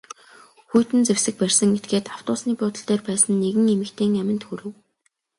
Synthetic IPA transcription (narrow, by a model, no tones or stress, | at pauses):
xujʰt̪ɘ̆nt͡sewsɘ̆k̚pærʲsə̆ŋɡet̪̚ɡeːt̪aw̥t̪ʊːsniːpʊːt̪ə̆ɬt̪æːrpæːsə̆nːeɣɘ̆ŋemɘ̆kt̪ʰeːŋæmʲɪ̆nt̪xuɾɘ̆w